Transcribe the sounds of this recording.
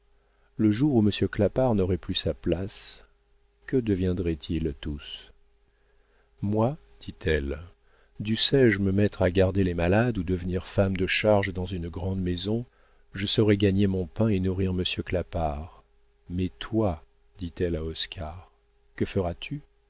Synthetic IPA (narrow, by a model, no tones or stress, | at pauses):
ləʒuʁuməsjøklapaʁnɔʁɛplysaplas | kəd̪əvjɛ̃d̪ʁɛt̪ʰilt̪us | mwad̪̥it̪ʰɛl | d̪ysɛʒməmɛt̪χaɡaʁd̪elemalad̪ud̪əvniʁfamd̪əʃaʁʒd̪ɑ̃zynɡʁɑ̃d̪mezɔ̃ | ʒəsɔʁɛɡaɲemɔ̃pɛ̃enuʁiʁməsjøklapaʁ | mɛt̪wa | d̪̥it̪ɛlaɔskʰaʁ | kəfəʁat̪ʰy